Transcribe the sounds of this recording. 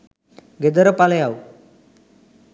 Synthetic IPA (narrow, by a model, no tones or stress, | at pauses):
ɡed̪əɾəpaləjau